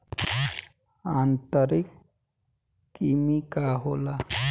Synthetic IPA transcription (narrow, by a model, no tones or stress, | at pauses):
ant̪ɔɾik | kimikaɦola